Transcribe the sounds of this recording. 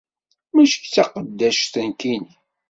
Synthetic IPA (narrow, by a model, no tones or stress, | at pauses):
mæʃəçt͡sːɑqəd̪ːæʃθənkin